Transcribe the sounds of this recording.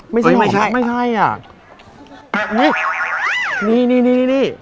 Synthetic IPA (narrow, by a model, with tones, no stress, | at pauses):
ma˥˩jt͡ɕa˥˩m˧˩a˦˥ma˥˩jkʰa˥˩jʔa̰˨˩˧ | ni˦˥˩ | niː˧˥˩niː˧˥˩niː˧˩niː˥˩niː˧˥˩